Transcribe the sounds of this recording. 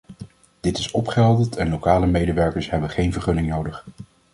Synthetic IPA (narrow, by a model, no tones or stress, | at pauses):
d̥ɪtɪsɔpχəɦɛlˠdətʰɛnlowkaːləmejdəʋɛɹkəɹsɦɛbənχejnvəɹχɵnɪŋnowdəχ